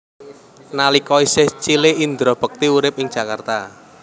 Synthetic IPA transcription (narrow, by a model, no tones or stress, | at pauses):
nalikɔisɪht͡ʃilɪind̪ɾɔb̥ə̤k̚t̪iuɾɪp̚ɪŋ̥ʒ̥a̤kart̪a